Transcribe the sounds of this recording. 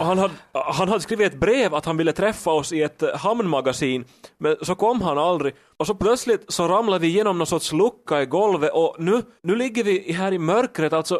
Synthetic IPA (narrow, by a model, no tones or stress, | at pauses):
ɔɦanhad̪ɦanɦad̪əskɾiːvɪt̪ɛt̪̚bɾeːvat̪hanvɪlːət̪ʰɾɛfːaɔsɪɛt̪hamnmaɡasiːn | mɛnsɔkʰɔmːɦanald̪ɾɪ | ɔsɔpʰlœt̪slɪt̪sɔɾamlad̪vɪjeːnɔmnoːsɔt̪slɵkːaɪɡɔlvəʔɔnʉ̟ːnʉ̟ːlɪɡːəɾvɪɦæːɾɪmœɾkɾət̪alt̪sɔ